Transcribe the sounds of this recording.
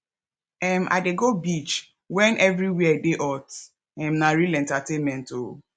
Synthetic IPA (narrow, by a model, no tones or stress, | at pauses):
ɛmʔa̰deɡobit͡ʃ | wɛnʔɛvɾiwiɛdeʔɔt | ɛmnaɾilɛntatenmɛ̃nto